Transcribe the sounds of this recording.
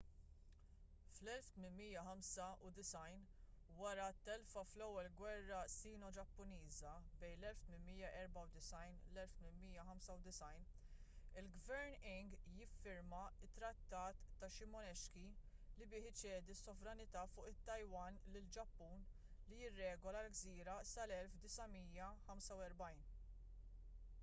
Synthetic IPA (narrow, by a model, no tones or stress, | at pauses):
flɛlft̪mɪnmiːjɐħɐmsɐʊd̪ɪsɐjnwɐɾɐt̪ːɛlfɐflɛwːɛlɡwɛrːɐsiːnɔd͡ʒɐpːʊniːzɐbɛjnlɛlft̪mɪmmijːɐʔɛɾbɐwd̪ɪsɐjnlɛlft̪mɪnmiːjɐħɐmsɐwd̪ɪsɐjn | ɪlɡvɛɾnɪŋɡjɪfːɪɾmɐɪt̪ːɾɐt̪ːɐːt̪ːɐʃɪmɔnɛʃkilɪbɪːħɪt͡ʃɛːd̪isːɔvɾɐnɪt̪ɐːfʊːʔɪt̪ːɐjwɐːnlɪld͡ʒɐpːuːn | lijɪrːɛːɡɔlɐlɡziːɾɐsɐlɛlfd̪ɪsɐmiːjɐħɐmsɐwɛɾbɐjn